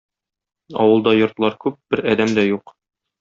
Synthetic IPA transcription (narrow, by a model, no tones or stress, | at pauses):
ɒ̰wɤ̆lˠd̪ɑjŏɾt̪lˠɑɾkʉp̚b̥ɘɾɒd̪æmd̪æjuq